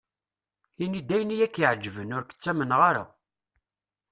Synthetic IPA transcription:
inid̪æjənijækːiʕd͡ʒːvənʊɾkə̥t͡sːæmənʁaɾa̰

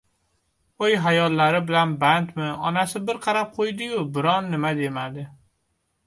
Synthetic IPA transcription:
ojɦajɒlːaɾɪbɪlanbant̪mɪɒnasɪbɪɾqʰɑɾap̚qʰojd̪ɪjʊbɪɾɒnːɪmad̪e̞mad̪ɪ

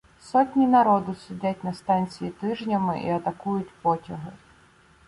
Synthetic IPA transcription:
sɔtʲnʲinɐɾɔd̪ʊsʲʊdʲatʲnɐst̪ɑnʲt͡sʲijit̪ɪʒnʲɐmɪ̰ʔḭɐt̪ɐkujʊtʲpɔtʲɐɦɪ

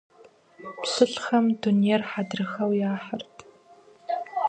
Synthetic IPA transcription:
psɨɬxɐmdunijɛrħadrɨxɐwjaːħərtʰ

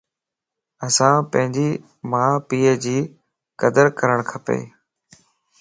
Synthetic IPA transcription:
əsãːpə̃ɦɪ̃ɲd͡ʑiː | mãːpiːəd͡ʑiː | kəd̪əɾkəɾəɳ̃kʰəpḛː

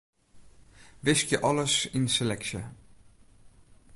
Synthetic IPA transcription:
vɪskjəʔɔləsɪnsəlɛkʃə̰

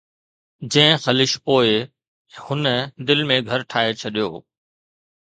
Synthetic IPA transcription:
d͡ʑɐ̃ɦɪ̃xɐlɪʃpoːɪ | hʊnəd̪ɪlmẽɡʱɐɾʈʰaːɦet͡ɕʰɐɗijo̰ː

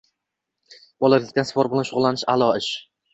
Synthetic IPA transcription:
b̥ɒlˠaɾlʲɪk̚ʲt̪ansɪ̥pʰɒɾbɪlanʃʊʁʊlˠːanɪʃalˠɒɪʃ

